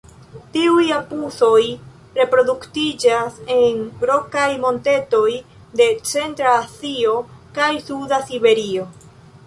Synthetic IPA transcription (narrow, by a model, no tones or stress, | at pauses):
tiujapuso̞j | ɾe̞pɾo̞duktid͡ʒase̞nɾo̞kajmo̞nte̞to̞j | de̞t͡se̞ntɾaːsio̞kajsudasibe̞ɾio̞